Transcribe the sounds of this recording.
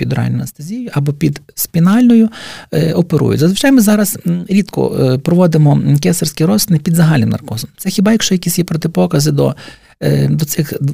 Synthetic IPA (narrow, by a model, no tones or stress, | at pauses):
pʲid̪ɔɾɑ̰lʲnʊjɐst̪ɐzʲijʊʔɐbɔpʲid̪spʲinɑlʲnɔjʊɔpeɾṵjʊ̰tʲzɐzʋɪt͡ʃɑjmɪzɑɾɐsɾʲit̪kɔ̰pɾɔʋɔd̪ɪmɔkɛsɐrsʲkʲiɾɔsɪnɪpʲid̪zɐɦɑlʲnɪmnɐ̰rkɔzɐmt̪sɛxʲɪbɑjɐkʃt͡ʃɔjɐkʲisʲjɛpɾɔt̪ɪpɔkɐzɪd̪ɔ̰ | d̪ɔt̪sɪxd̪